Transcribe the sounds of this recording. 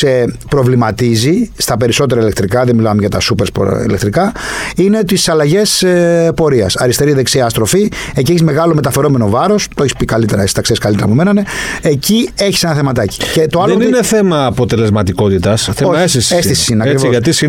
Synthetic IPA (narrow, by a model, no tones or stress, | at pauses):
sepɾovlimɐt̪izist̪ɐpe̞ɾiso̞t̪eɾɐile̞k̚t̪ɾikɐðemilɐmeʝɐt̪ɐsupeɾspo̰ḭle̞k̚t̪ɾikɐine̞t̪isɐlɐʝe̞sepo̞ɾiɐ̰sɐɾist̪e̞ɾiðe̞ksiɐːst̪ɾo̞fiecieçizme̞ɣɐlo̞me̞t̪ɐfe̞ɾo̞me̞no̞vɐɾo̞st̪o̞eçispikɐlit̪e̞ɾɐst̪ɐkseskɐlit̪eɐpomenɐneecie̞çi̥se̞nɐθe̞mɐt̪ɐci̥cet̪oɐlonineθemɐːpo̞t̪ele̞zmɐt̪iko̞t̪it̪ɐsθeost̪sest̪isi̥sineɐɾisvoɐt̪isi